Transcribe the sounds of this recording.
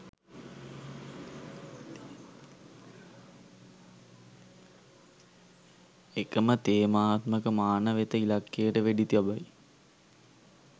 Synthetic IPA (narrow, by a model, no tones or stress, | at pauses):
ekəmət̪eːmaːt̪məkəmaːnəʋet̪əilakːeəʈəʋeɖit̪iʋabaj